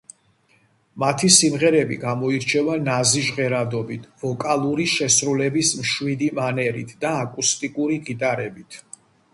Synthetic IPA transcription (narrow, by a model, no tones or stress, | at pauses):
mat̪ʰisimʁɛɾɛbḭɡamɔiɾt͡ʃʰɛvanaziʒʁɛɾad̪ɔbit̪ʰv̥ɔkʼalˠuɾiʃɛsɾulɛbismʃwid̪imanɛɾḭt̪ʰd̪aːkʼust̪ʼikʼuɾiɡit̪ʼaɾɛbit̪ʰ